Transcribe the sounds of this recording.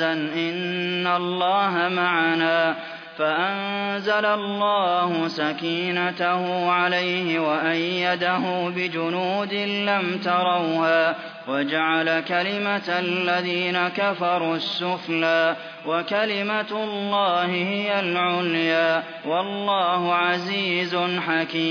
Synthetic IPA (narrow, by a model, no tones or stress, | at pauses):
anʔɪnːalˤːɑːɦamaʕanaː | faʔanzalalːɑːhʊsakiːnat̪ahʊːʕalajhɪwaʔajːad̪aɦuːbɪd͡ʒʊnuːd̪ɪlamt̪ɑɾˤɑwhaː | wad͡ʒaʕalakalɪmaalːaðiːnakafɑɾˤuːsːʊflaː | wakalɪmalːɑːhɪhɪjalʕʊljaː | wɑlːɑːhʊʕaziːzʊnħakiːm